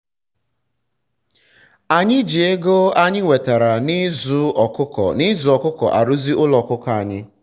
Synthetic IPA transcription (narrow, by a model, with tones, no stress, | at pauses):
a˨ɲɪ˦d͡ʒi˨e˦ɡo˦a˦ɲɪ˦ŋʷe˨ta˨ɾa˨nɪ˦zʊ˦ɔ˨kʊ˦kɔ̰˨nɪ˦zʊ˨ɔ˨kʊ˦kɔ̰˨ʔa̰˨ɾu˦zi˦ʔʊ˦lɔ˨kʊ˦kɔ˨a˨ɲɪ˦